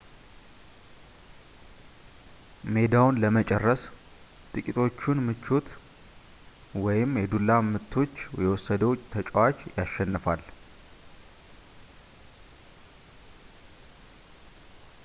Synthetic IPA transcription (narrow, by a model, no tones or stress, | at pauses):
me̞d̪awnləmət͡ʃʼɛrːəs | t̪ʼɨkʼit̪ʰo̞t͡ʃːunmɨt͡ʃːut̪ | wɔjɪmjɛd̪ulːamɨt̪ʰːo̞t͡ʃːjɛwɔsːəd̪əwt̪ʰət͡ʃʼwat͡ʃjaʃːɛnːɨfal